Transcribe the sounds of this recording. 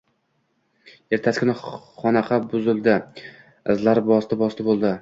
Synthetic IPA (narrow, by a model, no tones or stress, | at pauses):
e̞ɾt̪ʰasɪkʰʲʊnɪχɒnɑqʰɑbʊzɪlˠd̪ɪ | ɪzlaɾbɒst̪ɪbɒst̪ɪbolˠd̪ɪ